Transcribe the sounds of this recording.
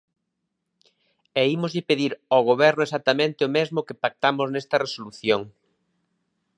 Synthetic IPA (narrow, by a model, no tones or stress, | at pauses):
ɛimozʎɪpeðiɾɔɣ̞oβɛɾnʊesat̪amẽnt̪ɪomezmʊkepak̚t̪amʊznɛst̪ɐresoluθjoŋ